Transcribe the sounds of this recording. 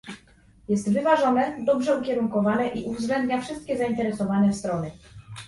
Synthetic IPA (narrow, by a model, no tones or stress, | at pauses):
jɛst̪vɘvaʐɔnɛd̪ɔbʐɛukʲɛɾuŋkɔvanɛʔiʔuvzɡlɛnd̪ɲafʂɘst̪̚kʲɛzaint̪ɛɾɛsɔvanɛst̪ɾɔnɘ